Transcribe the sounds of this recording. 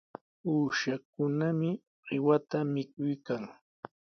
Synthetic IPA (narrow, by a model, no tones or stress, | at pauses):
uːʃak̚ʊnamɪ | ɢɪwat̪amɪkʊjkaŋ